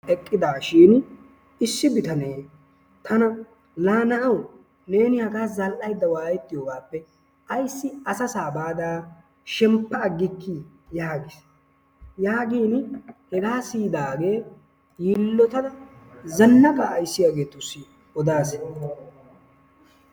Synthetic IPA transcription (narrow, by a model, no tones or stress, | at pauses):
ɛkʼːɪd̪aːʃiːn | ɪsːɪbɪt̪ɐne̞ː | t̪ʰɐnɐ | laːnɐʔɐw | ne̞ːnɪhɐɡaːzɐlʔɐjd̪ːɐwaːjɛt̪ːɪjoːɡaːpːɛ | ʔɐjsːɪɐsɐsaːbaːd̪aː | ʃɛmpːɐːɡːɪkːi | jaːɡɪs | jaːɡiːnhɛɡaːsiːd̪aːɡe̞ː | jiːlːɔt̪ɐd̪ɐzɐnːɐkaːjsːɪjaːɡe̞ːt̪ːʊsi | ɔd̪aːs